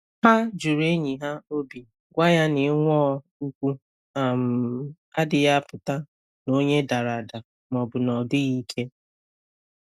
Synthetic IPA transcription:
ɦa˦d͡ʒu˨ɾe˦ɲi˨ɦa˦o˦bi˨ | ɡʷa˦ja˦nɪ˨˦ŋʷɔ˦ | u˦kʷu˦ | a˨m̩˨ | a˦dɪ˨ja˦pʊ˨ta˦ | no˦ɲe˦da˨ɾa˨da˨ | mɔ˨bʊ˨nɔ˨dʊ˦ɣi˦kʰe˦

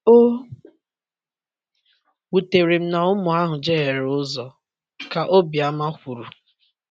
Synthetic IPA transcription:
o˦ | wu˨te˨ɾi˨m̩˦na˨ʊ˦mʊ˨a˦ɦʊ˨d͡ʒe˦ɦe˨ɾʊ˦zɔ˨ | ka˨ʔo˦bi˨a˦ma˦kʷu˨ɾu˨

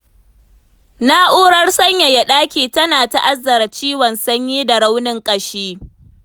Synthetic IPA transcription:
na˦ʔuː˦ɽɐ˦rsɐ˦ɲja˨ja˨ɗaː˦kʲiː˨tɐ˦naː˨ta˦ʔa˦zːɐ˨ɾa˨t͡ʃiː˦wɐ˨nsɐ˦ɲjiː˦da˨ɽa˦wnɪ˦ŋkʼɐ˨ʃiː˦

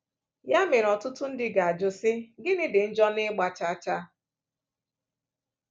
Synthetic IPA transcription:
ja˦me˨ɾɔ˨tʊ˦tʊ˦n̩˦dɪ˦ɡa˨a˨d͡ʒʊ˨sɪ˦ɡɪ˦nɪ˦dɪ˨n̩˦d͡ʒɔ˦nɪ˦ɡ͡ba˨t͡ʃa˦t͡ʃa˦

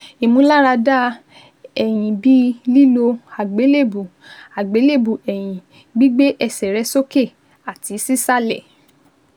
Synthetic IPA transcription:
e˨mũ˦la˦ɾa˧da˦ | ɛ˨j̃ĩ˨bi˦li˦lo˧a˨ɡ͡be˨˦le˦˨bu˨a˨ɡ͡be˨˦le˦˨bu˨ɛ˨j̃ĩ˨ | ɡ͡bi˦ɡ͡be˦ʔɛ˧˨sɛ˨ɾɛ˨˧˦so˦ke˦˨ | a˨ti˨˦si˦sa˦lɛ˦˨

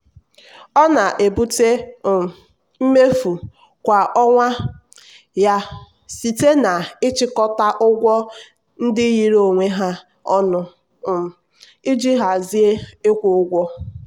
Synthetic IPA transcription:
ɔ˦na˨ʔe˨bu˦te˦˨ | m̩˦me˦fu˨ | kʷa˨ʔɔ˦ŋʷa˦ | ja˦ | si˨te˦na˨ɪ˦t͡ʃɪ˦kɔ˦ta˦ʔʊ˦ɡʷɔ˦ | n̩˦dɪ˦ji˨ɾo˨ŋʷe˦ɦa˦ | ɔ˦nʊ˦˨ | ɪ˦d͡ʒi˦ɦa˨zi˦e˦ɪ˦kʷʊ˨ʊ˦ɡʷɔ˦

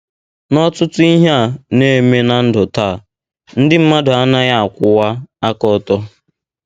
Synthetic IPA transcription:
nɔ˦tʊ˦tʊ˦i˦ɦa˦˨ne˦me˦na˨n̩˦dʊ˨taː˦˨ | n̩˦dɪ˦m̩˦ma˦dʊ˨a˦na˦ja˦a˨kʷʊ˦wa˦a˦kɔ˨tɔ˦

